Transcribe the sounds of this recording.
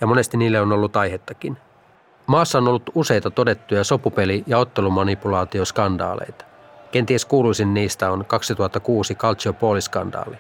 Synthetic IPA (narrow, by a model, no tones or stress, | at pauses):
jɑmo̞ne̞st̪iniːlːeono̞lːut̪ɑjɦet̪ːɑkin | mɑːsːɑonolːut̪use̞jt̪ɑt̪o̞de̞t̪ːujɑso̞pupe̞lijɑo̞t̪ːe̞lumɑnipulɑːt̪io̞skɑndɑ̰ːlḛjt̪ɑ̥ | k̟e̞nt̪ieskuːlujsinːiːst̪æonkɑksit̪uɑt̪ːɑkuːsikɑlt̪t͡ʃiopuoliskɑ̰ndɑ̰ːli